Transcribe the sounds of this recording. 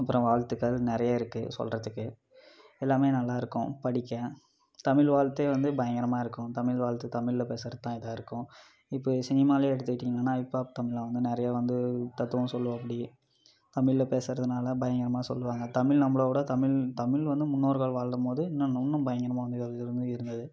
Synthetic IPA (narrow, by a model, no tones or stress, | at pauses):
ɐpːɯɾɔ̃ʋaːɻt̪ːɯkːɐɭnɪɾɐjaːɪɾɯkːɯ̰sɔ̰lrɐðɯkːɯ | ɛlːaːmeːnɐlːaːɪɾɯkːʊ̰̃pɐɽɪkːɛ̃ | t̪ɐmɪɭʋaːɭt̪ːeːʋɐnd̪ɯbɐjɐŋɡɐɾɐmaːɪɾɯkːʊ̃t̪ɐmɪlʋaːɭt̪ːɯt̪ɐmɪɭɪlɐpeːsɐɾɐðt̪ãːɪðaːɪɾɯkːʊ̃ | ɪpːoːsɪnɪmaːleːɛɽɯt̪ːɯkɪʈːiːŋŋɐnːaːɪpːoːt̪ɐmɪɭãːʋɐnd̪ɯnɪɾɐjaːʋɐnd̪ɯt̪ɐt̪ːɯʋɐ̃sɔlːɯʋɐ̃ɐp̬ːɐɽɪ | t̪ɐmɪɭlɐpeːsɪɾɐðɯnaːlɐbɐjɐŋɡɐɾɐmaːsɔ̰lːɯʋaːŋɡɐt̪ɐmɪlnɐmːɐɭokːuːɽɐt̪ɐmɪlt̪ɐmɪlʋɐnd̪ɯmʊnːoːɾɯɣaːɭʋaːɭɾɯmpoːðɯɪnːɐ̃nnːɯbɐjɐŋɡɐɾɐmaːʋɐnd̪ɯɪɾɯnd̪ɯɪɾɯnd̪ɐðɯ